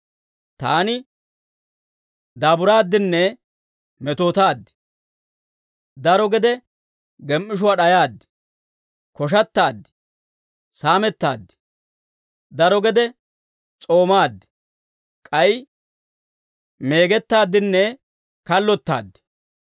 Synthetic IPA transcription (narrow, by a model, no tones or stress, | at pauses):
t̪aːnɪ | d̪aːbʊɾaːd̪ːɪnːɛ | mɛt̪oːt̪aːd̪ːɪ̥ | d̪ɐɾɔɡɛd̪ɛ | ɡɛmʔːɪʃ̬ʊwaːɗɐjaːd̪ːɪ̥ | kɔʃ̬ɐt̪ːaːd̪ːɪ̥ | saːmɛt̪ːa̰ːd̪ːɪ̥ | d̪ɐɾɔɡɛd̪ɛ | t͡sʼo̞ːmaːd̪ːɪ̥ | kʼɐj | me̞ːɡɛt̪ːaːd̪ːɪnːɛ | kɐlːɔt̪ːa̰ːd̪ːɪ̥